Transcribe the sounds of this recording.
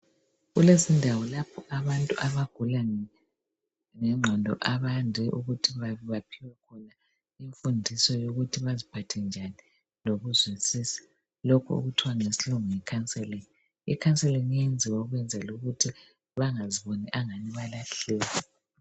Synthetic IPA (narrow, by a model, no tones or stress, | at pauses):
ɣulesindʱawɔlapʰɔʔaβantʼuʔaβaɡ̥ʱula | ŋɛŋ͡ǁʱandʱɔ̰ʔaβandʱɛʔuɣutʰiβaββapʰiwɛkʰɔna | iɱfundʱisɔjoɣutʰiβazipʰatʰɛnd͡ʒʱani | loɣuzwisiːsḁ | lokʰṵṵɣutʰiwaŋesiluŋɔŋɛkʰansʼɛlen | ikʰant͡sʼɛlɛŋijend͡zʱiwauɣwɛnd͡zʱɛluɣutʰi | βaŋaziβonɛʔaŋaniβalaɬɛːlɛ